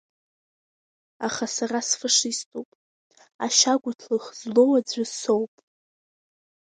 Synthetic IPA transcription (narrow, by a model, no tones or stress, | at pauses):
aχasarasfaʂistʼupʼ | aʃaɡʷʊtʰlɨχzlo̞wad͡zʷaso̞wpʼ